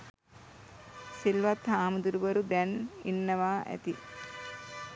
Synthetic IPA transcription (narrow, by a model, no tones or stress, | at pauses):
silʋat̪haːməd̪uɾubəɾud̪ɛninːəʋaːʔæ̰t̪i